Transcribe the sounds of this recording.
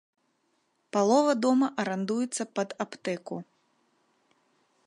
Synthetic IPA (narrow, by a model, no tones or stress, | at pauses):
palˠɔvɐd̪ɔmɐʔɐɾand̪ujɛt̪sːɐpɐd̪apt̪ɛku